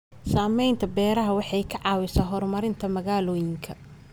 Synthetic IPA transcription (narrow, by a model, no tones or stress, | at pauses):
saːmɛjnt̪ʰɐbɛːɾɐɦɐwɑħɑjkʰɐʕɑːwɪsaɦɔrmɐɾɪnt̪ʰɐmɐɣaːlɔːjɪŋkʰɐ̰